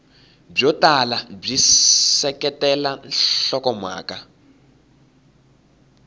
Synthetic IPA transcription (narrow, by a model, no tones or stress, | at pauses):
b͡ʐɔtalab͡ʐisɛkɛtɛlanɬɔkɔmwa̰ːka